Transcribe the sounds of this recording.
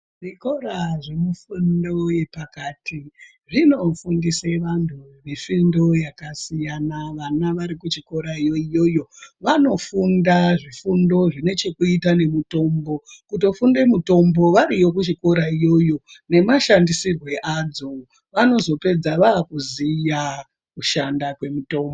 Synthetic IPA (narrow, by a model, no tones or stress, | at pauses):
ʐiko̞ɾaʐe̞mifundo̞je̞pakaːtʰi | ʐino̞fundiseʋantʰumifindo̞jakasijanaʋanaʋaɾikut͡ʃiko̞ɾaijo̞ijo̞jo̞ʋano̞fundaʐifundo̞ʐine̞t͡ʃe̞kuitane̞muto̞mbo̞kuto̞funde̞muto̞mbo̞ʋaɾijo̞k̬ut͡ʃiko̞ɾaijo̞jo̞ne̞maʃandisirwe̞ʔad͡zo | ʋano̞zo̞pe̞d͡zaʋaːkuzija | kuʃandakwe̞muto̞ːmbo